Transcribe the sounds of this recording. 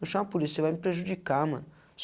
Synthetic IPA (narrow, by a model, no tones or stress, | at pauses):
uʃɐmɐpulisiɐvajmipɾeʒud͡ʒikamɐ̰̃n | s